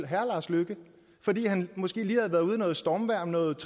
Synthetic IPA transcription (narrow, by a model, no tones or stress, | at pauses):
ɦæɐlɑ̈sløɡ̥ə | fɒ̽d̥ḭːhænmɒ̽sɡ̥e̝̰ːliːhæð̩ˠʋæɐðˠuð̞ˠnɔ̽ːð̞̩ˠsd̥ɒːmʋæɐ̰mnɔ̽ːð̩ˠt͡sʰ